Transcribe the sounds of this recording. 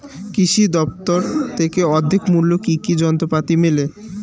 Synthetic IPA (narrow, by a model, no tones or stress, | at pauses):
kiʃid̪ɔpt̪oɾt̪ʰekeɔd̪ʱːekmulːokikid͡ʑɔnt̪ɾopat̪imele